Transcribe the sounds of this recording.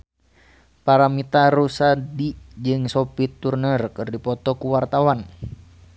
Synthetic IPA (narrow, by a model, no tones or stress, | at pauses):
paɾamit̪aɾusadid͡ʒɨŋsɔpit̪urnərkɨrdipɔt̪ɔkuwart̪awan